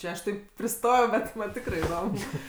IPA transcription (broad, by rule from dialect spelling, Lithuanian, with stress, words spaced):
ˈt͡ʃʲɛ ɐʃ ˈtɐɪp pʲrʲɪˈstoːjɛʊ ˈbʲɛt ˈmɐnʲ ˈtʲɪkrɜ ɪˈdoːm